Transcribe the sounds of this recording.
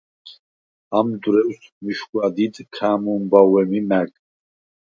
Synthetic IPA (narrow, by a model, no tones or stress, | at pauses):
amd̪ɾɛwsmiʃɡʷwad̪id̪ʼkʰaːmumbawɛmimækʼ